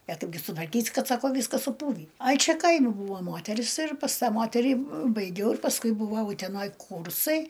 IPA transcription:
ɐ ˈtʊ ɡʲɪ sʊtʋɐrʲˈkʲiːsʲɪ ˈkɐt ˈsɑːkoː ˈʋʲiːskɐs sʊˈpuːʋʲiː ˈɐɪ ˈt͡ʃʲɛ ˈkɐɪmʲɪ ˈbuːʋoː ˈmoːtʲɛrʲɪs ɪr pɐs ˈtɑː ˈmoːtʲɛrʲiː bɐɪˈɡʲɛʊ ɪr pɐsˈkʊɪ bʊˈʋɐʊ ʊtʲɛˈnoːj ˈkuːrsɐɪ

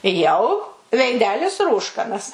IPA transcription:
jɛʊ ʋʲɛɪˈdʲæːlʲɪs ˈruːʃkɐnɐs

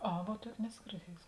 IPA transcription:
ˈɐ ʋuɔ ˈtuɔkʲeː ˈnʲæːsoː ɡʲɪrʲˈdʲiɛjʊsʲɪ

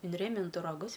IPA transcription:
ɪnʲˈrʲeːmʲɪntʊ rɐˈɡʊs

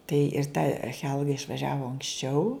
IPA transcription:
tɐɪ ɪr tɐ ˈxʲɛlˠɡɐ ɪʃʋɐˈʒʲæːʋoː ɐŋksʲˈt͡ʃʲɛʊ

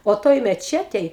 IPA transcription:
oː ˈtoːj mʲɛˈt͡ʃʲæːtʲɛj

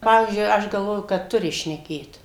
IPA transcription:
ˈpɑːʋʲiːzʲd͡ʒʲʊɪ ˈɐʃ ɡɐlˠˈʋoːjʊ kɐt ˈtʊrʲɪ ʃʲnʲɛˈkʲeːt

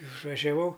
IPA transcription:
ɪʃʋɐʒʲɛˈʋɐʊ

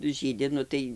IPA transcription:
ˈʒʲiːdʲɪ ˈnʊ tɐɪ

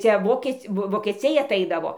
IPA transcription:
ˈt͡sʲɛ ˈʋoːkʲiɛt͡sʲ ˈʋoː ʋoːkʲɛˈt͡sʲɛɪ ɐˈtɐɪdɐʋoː

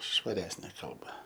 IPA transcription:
ʃʋɐˈrʲæːsʲnʲeː ˈkɐlˠbɐ

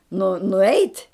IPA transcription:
nʊ nʊˈɛɪtʲ

